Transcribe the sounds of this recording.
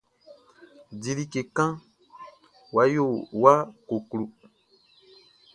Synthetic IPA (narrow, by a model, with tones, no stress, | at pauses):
di˨li˦ke˨kã˦ | wa˨˦jo˦˨wa˦ko˨klu˨